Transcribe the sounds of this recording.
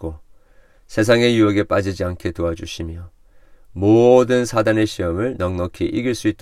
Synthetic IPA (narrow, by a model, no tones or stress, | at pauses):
ko | sʰe̞s̬ʰaŋe̞juʌɡe̞p͈ad͡ʑid͡ʑiankʰe̞toad͡ʑuɕʰimjʌ | modɯnsʰadane̞ɕʰiʌmɯɭnʌŋnʌkʰiʔiɡiɭs͈uit͈̚